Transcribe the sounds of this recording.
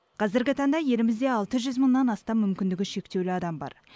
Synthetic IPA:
qʰɑzɪɾɡʲɪt̪ʰɑɴd̪ɑje̞lɪmɪzd̪e̞ɑlˠt̪əʒʏzməɴːɑnɑst̪ɑmːʏmkʲɪnd̪ɪɡʲɪʃe̞k̚t̪e̞wlɪɑd̪ɑmbɑ̰ɾ

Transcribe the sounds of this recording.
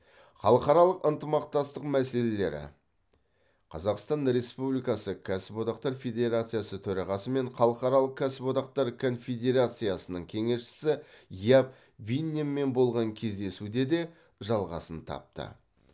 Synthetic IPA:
χɑlˠəqɑɾɑlˠəqənt̪əmɑqt̪ɑst̪əqmæse̞le̞le̞̰ɾɪ̰ | qʰɑzɑqst̪ɑnɾe̞spublijkɑsəkʲʰæsɪpwo̞t̪ɑqt̪ɑɾfʲe̞d̪ʲe̞ɾat̪sɨjasət̪ʰɵɾɑʁɑsəme̞ɴχɑlˠəqɑɾɑlˠəq̚kʲʰæsɪpwo̞t̪ɑq̚t̪ɑɾkʰo̞nfʲe̞d̪e̞ɾat̪sɨjasənəɴkʲʰe̞ŋe̞ʃʃɪ̥sɪjap | vinʲemːe̞nbo̞lˠʁɑŋkʲʰe̞zd̪e̞sud̪e̞d̪e̞ | ʒɑlˠʁɑ̰sənt̪ʰɑ̰p̚t̪ə̰

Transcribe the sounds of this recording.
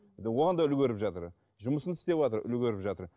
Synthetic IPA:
d̪woʁɑnd̪ɑʏlɡʲɵɾɪpʒɑt̪əɾ | ʒʊməsənt̪ʰʏ̥st̪e̞pwɑt̪əɾʏ̰lɡʲeɾɪpʒɑt̪əɾ

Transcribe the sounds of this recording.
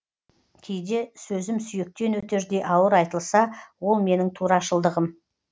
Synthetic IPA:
kʲʰejd̪e̞sɵzɪmsʏjek̚t̪e̞nwɵt̪e̞ɾd̪e̞jʔɑwəɾɑjt̪əlˠsɑwo̞lˠme̞nɪŋt̪ʰuɾɑʃəlˠd̪əʁəm

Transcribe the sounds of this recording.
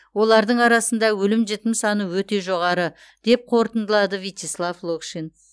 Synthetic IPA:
wo̞lˠɑɾd̪əɴɑɾɑsənd̪ɑwɵlɪmʒet̪ɪmsɑnəwɵt̪e̞ʒo̞ʁɑɾə | d̪̥e̞p̚qʰo̞ɾt̪ənd̪əlˠɑd̪əvit̪ʲeslˠavlˠokʃin

